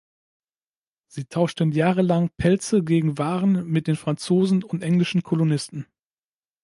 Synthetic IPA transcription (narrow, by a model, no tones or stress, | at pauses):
z̥iːtʰaʊʃtənjaːʁəlaŋpʰɛlt͡səɡeːɡŋ̩vaːʁənmɪt̚d̥eːnfʁ̥ant͡soːzn̩ʊntʔɛŋlɪʃn̩kʰɔlonɪstn̩